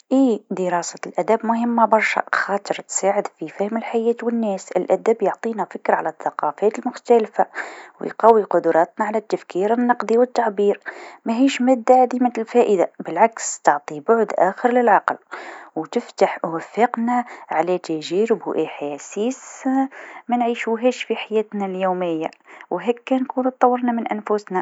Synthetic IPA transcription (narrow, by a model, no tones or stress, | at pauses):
ʔiːd̪əɾˤɑsalʔæd̪æbmʊhəmːabɑɾˤʃæ̰xɑt̪ˤəɾˤt̪saːʕəd̪fifæhməlħajæːt̪wənːæsə̰lʔæd̪æbjoʕt̪ˤinæfɪkːɾʕalæθːɑqɑfæt̪əlmʊxt̪ælfaw̰jqɑwːiqʊd̪ʊɾˤɑːt̪naʕalæt̪ːæfkʰiɾənːɑqd̪ˤiwət̪ːaʕbiːɾmæɦiːʃmæd̪ːaʕad̪imat̪lfæʔəd̪abɪlʕakst̪ɑʕt̪ˤibʊʕd̪ʔæxəɾlɪlʕɑqlwt̪ɪft̪aħʔwæfːəqnæʕalæt̪æʒiːɾɪbwʔɪħasiːs | mænʕiːʃuɦæʃfiħajæːt̪næljuːmɪjːawɦækːænkuːnt̪t̪ˤːɑwːəɾnamɪnʔænfʊsnæ